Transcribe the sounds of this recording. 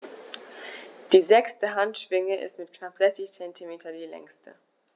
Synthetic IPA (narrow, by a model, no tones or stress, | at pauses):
d̥iːzɛkstəɦantʃv̥ɪŋəʔɪ̰stmɪtkʰnapz̥ɛçt͡sɪçt͡sɛntʰimeːtʰɐdiːlɛ̰ŋstʰə̰